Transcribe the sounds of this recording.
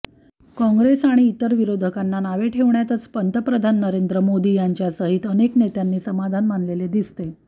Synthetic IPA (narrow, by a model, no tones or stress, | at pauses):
kɔ̃ŋɡɾesaɽ̃iːt̪əɾʋiɾod̪ʱəkanːanaʋeʈʰeʋɳjat̪ət͡spənt̪əpɾəd̪ʱanːəɾend̪ɾəmod̪iːjaɲt͡ɕjasəɦit̪əneknet̪janːiːsəmad̪ʱanmanleled̪ist̪e